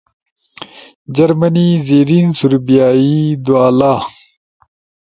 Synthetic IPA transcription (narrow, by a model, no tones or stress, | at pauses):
d͡ʑɐɾmɐnizeːɾiːnsuɾbijaːid̪uaːlaː